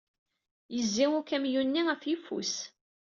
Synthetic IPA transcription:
jəzːiʊkæmjunːiæfjifṵs

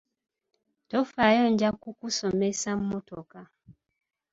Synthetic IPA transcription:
tofajoɲɟakukusomesam̩motoka

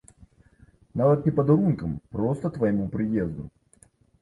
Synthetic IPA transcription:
navət̪̚nʲɪpəd̪ɐɾunkəmpɾost̪ət̪vəjɪmupɾʲɪjezd̪ʊ

